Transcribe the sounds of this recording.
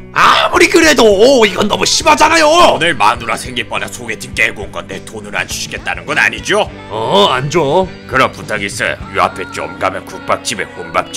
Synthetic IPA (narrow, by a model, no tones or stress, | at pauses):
amuɾiɡɯɾe̞doiɡʌnːʌmuɕʰimad͡ʑanajoonɯɭmanuɾasʰeŋɡip͈ʌnasʰoɡetʰik͈eɭɡonɡʌndetonɯɾa̰nt͡ɕʰuɕʰi̥k͈e̞t̚t͈anɯnɡʌna̰ɲid͡ʑo | ʌand͡ʑo | kɯɾʌmputʰaɡis͈ʰɯ̰jua̰pʰet͡ɕ͈iʌmɡamjʌnkuk̚p͈ak̚t͡ɕ͈ibekombak̚t͡ɕ͈i